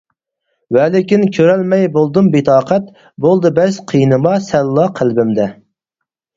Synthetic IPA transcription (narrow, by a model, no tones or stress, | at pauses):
wɛlɪkʲinkʲʰøɾɛlmɛjbolˠd̪ɨmbet̪ʰɑːqʰɛt̪ | bolˠd̪ɨbɛzqʰijnɨmɑsɛlːɑqʰælbɪmd̪ɛ